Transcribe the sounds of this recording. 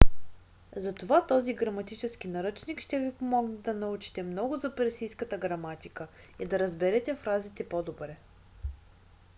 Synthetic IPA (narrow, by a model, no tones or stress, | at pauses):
zɐt̪ovat̪ɔziɡɾɐmɐt̪it͡ʃɛsk̟inɐɾɤt͡ʃnikʃt̪ɛvipomɔɡnɛd̪ɐnɐut͡ʃi̥t̪ɛmnɔɡʊzɐpɛɾsijskət̪əɡɾɐmat̪ikə | id̪ɐɾɐzbɛɾɛt̪ɛfɾazit̪ɛpod̪obɾɛ